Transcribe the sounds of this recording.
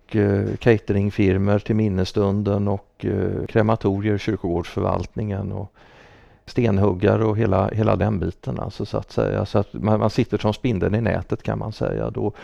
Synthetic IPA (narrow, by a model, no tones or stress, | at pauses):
kkʰɛɪt̪əɾɪŋfɪɾməʈʰɪlmɪnːəst̪ɵnd̪ənɔkkʰːɾɛmat̪ʰuːɾɪəɾɕʏɾkʊɡoːɖʂfœɾva̰lt̪nɪŋənɔ | st̪eːnɦɵɡːaɾɔɦeːlaheːlad̪ɛnbiːt̪ənʔa̰lsɔsʊa̰t̪sɛ̰jːa̰sɔat̪manmansɪt̪ːəfɔnspɪnd̪ənɪnɛ̰ːt̪ət̪kʰanmansɛ̰jːa̰d̪ɔ